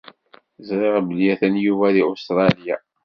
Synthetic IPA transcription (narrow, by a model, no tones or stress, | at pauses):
zɾɪʁbəljæθænjuvæðiust̪ɾˤɑlja̰